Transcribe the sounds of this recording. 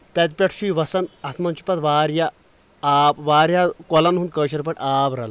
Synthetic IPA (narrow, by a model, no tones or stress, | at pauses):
t̪ɐt̪̬̚pʲɐʈʰʃuiʋɐsɐnɐt̪ʰmɐnt͡ʃu̥pɐt̪ʋaːɾja | aːbʋaːɾjakɔlɐnɦund̪kəːʃɐɾpɐʈʲaːbɾɐ̰l